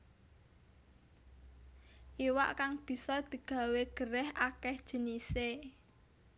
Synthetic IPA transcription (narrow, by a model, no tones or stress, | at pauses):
ʔiwa̰ʔkaŋb̥i̤sɔd̪̥i̤ɡ̥a̤weɡ̥əɾɛhakɛhd̥ʒ̥ə̤nise